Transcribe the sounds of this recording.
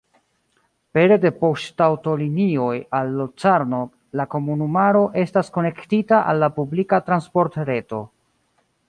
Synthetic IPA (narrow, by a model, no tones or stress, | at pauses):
pe̞ɾe̞de̞po̞ʃtawto̞linio̞jalːot͡saɾno | lako̞munumaɾo̞ʔe̞stasko̞ne̞ktitaʔa̰lːapublikatɾanspo̞ɾtɾe̞to̞